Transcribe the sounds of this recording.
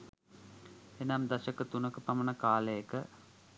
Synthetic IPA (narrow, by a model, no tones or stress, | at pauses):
enɐmd̪ɐʃəkət̪unəkəpɐmɐnəkaːləjəkə